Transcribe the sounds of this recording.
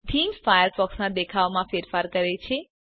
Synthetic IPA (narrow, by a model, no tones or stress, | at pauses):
ʈʰimsfajəɾpɔksnãd̪ekʰaʋmãfeɾfaɾkəɾet͡ʃʰe